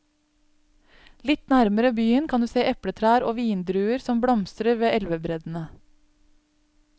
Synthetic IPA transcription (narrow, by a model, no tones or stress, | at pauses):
lɪt̪næɾməɾəbyːənkʰɑnd̪ʉːseːʔɛpɽət̪ʰɾæːɾoːʋiːnd̪ɾʉːəɾsɔmbɽɔmst̪ɾəɾʋeːʔɛlʋəbɾɛd̪n̩ə